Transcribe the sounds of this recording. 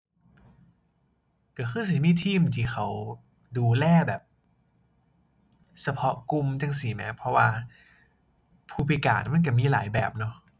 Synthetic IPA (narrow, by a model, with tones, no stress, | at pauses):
ka˧˩xʰɯː˧˥˩s̬i˨˩˦miː˧˥˩t̪ʰiː˧˩˨m˨t̪ʰiː˧˩xʰa˦w | duː˧lɛː˧˥˩bɛː˨˩p̚ | sa˧pʰɔ˦˥ʔku˧mt͡ɕa˧ŋsi˨˩˦mɛ˦˥pʰɔ˧waː˧ | pʰuː˧˩pʰi˧ka̰ː˨˩nma˧˥˨nk̬a˧˩miː˧˨laː˩˦jbɛː˨˩p̚nɔ˧˦